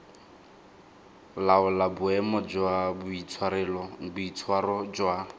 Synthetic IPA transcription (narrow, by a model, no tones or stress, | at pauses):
laʊlabʊɛmɔd͡ʒwabʊit͡sʰwaɾɛlɔbʊit͡sʰwarɔd͡ʒwa